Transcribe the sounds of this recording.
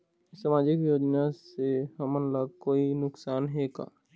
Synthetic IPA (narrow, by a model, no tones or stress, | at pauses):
samaːd͡ʒɪkjoːd͡ʒnasehɐmənlaɡkoːinʊksaːnɦeːɡa̰ː